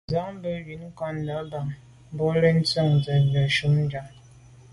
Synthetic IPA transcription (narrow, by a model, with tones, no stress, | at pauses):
za˦ŋ̩˦bə˦bi˨˦n̩˦kɔ˦n˦da˨˦ba˨ŋ | m˦bo˦ɾe˦n̩˦t͡sə˦˨ŋ˨d͡za˨n˨da˨ʃu˦m̩˦d͡ʒa˦˨ŋ